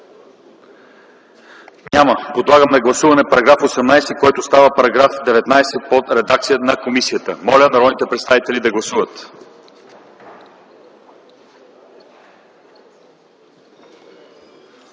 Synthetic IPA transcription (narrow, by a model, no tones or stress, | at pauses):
ɲʲaməpod̪lˠaɡəmnɐɡlˠɐsuvɐnɛpɐɾɐɡɾafosɛmnajst̪ɛkɔjt̪ʊst̪avəpɐɾɐɡɾafd̪ɛvɛt̪najsɛpot̪ɾɛd̪ak̚t̪sijənɐkomisijət̪əmɔlʲənɐɾɔd̪nit̪ɛpɾɛt̪st̪avit̪ɛlʲid̪ɐɡlˠɐsuvət̪